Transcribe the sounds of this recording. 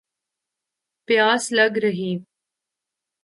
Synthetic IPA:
pjaːslɐɡɾəɦiː

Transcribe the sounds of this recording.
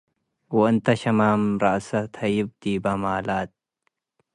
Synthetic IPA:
wɔɨnt̪ʰɐʃɐmaːmɾɐʔsɐt̪ʰɐjɪb̚d̪iːbɐmaːlaːt̪̚

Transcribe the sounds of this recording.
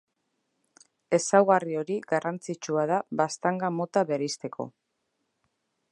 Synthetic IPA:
e̞sawɣario̞ɾiɡarʔant͡sit͡ʃuað̞aβast̪aŋɡamo̞t̪aβeɾist̪e̞kʰo̞̰

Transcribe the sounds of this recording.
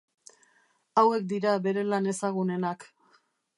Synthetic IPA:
awe̞k̚d̪iɾaβe̞ɾe̞lane̞saɣ̞une̞nak

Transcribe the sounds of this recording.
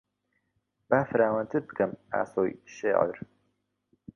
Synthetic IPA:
b̥aːfɨɾaːwɐnt̪ʰɨɾd̪ɨkʰɐma̰ːsoːjʃḛːʕə̰ɾ

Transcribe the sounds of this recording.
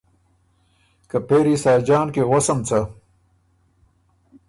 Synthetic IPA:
kɐpeːɾisaːd͡ʑaːnkeʁɐsɐmt͡sʰɐ

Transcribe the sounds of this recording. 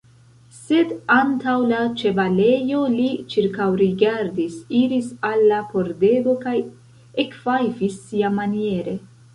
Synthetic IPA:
se̞dantawlat͡ʃe̞vale̞jo̞lit͡ʃiɾkawɾiɡaɾdisiɾisalːapo̞ɾde̞ɡo̞kaj | ekv̥ajfisːiamanie̞ɾe̞

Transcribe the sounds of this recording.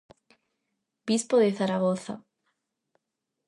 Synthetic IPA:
b̥ispoðeθaɾaɣoθa̰

